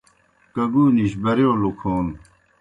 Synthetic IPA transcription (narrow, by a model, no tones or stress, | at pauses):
kɐɡuːniɕ̬bɐɾjoːlukʰoːn